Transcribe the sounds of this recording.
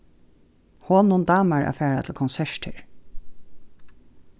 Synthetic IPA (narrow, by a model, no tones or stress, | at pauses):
hoːnʊnd̪ɑːmaɹa̰fæːɹat̪ʰɪlkʰɔnsɛʂʈɪ̰ɹ